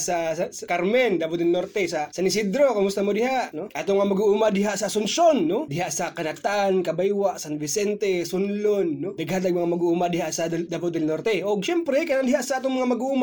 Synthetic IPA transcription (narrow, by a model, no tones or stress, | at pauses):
sɐsɐkaɾmɛnd̪abʊt̪ɛlnoɾt̪ɛsɐsɐnɪsid̪ɾokʊmʊst̪ɐmod̪ɪhaʔnoaːt̪oŋmɐŋamɐɡuʔumad̪ɪɦaʔsɐsʊnsonːod̪ɪɦaʔsɐkɐnat̪ankɐbajwaʔsɐnvɪsɛnt̪ɛsʊnlonːod̪ɐɡhant̪aɡ̚mɐŋamɐɡuʔumad̪ɪhaʔsɐd̪abʊt̪ːɛlnoɾt̪ɛʔoɡ̚ʃɛmpɾɛkɐnand̪ɪɦaʔsɐʔat̪oŋmɐŋamɐɡuʔuma